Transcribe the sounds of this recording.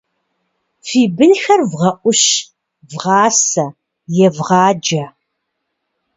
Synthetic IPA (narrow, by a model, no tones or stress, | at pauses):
fiːbɨnxɐrvʁɐʔʷʊʃ | vʁɑːsɐ | jɛvʁɑːd͡ʒɐ